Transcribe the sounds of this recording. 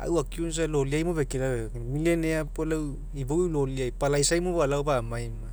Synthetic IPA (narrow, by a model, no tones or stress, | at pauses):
a̰wakiuns̬aloliajmubekila | milenejapolaw | ibawloliajpalajsajmobalawbaːmajma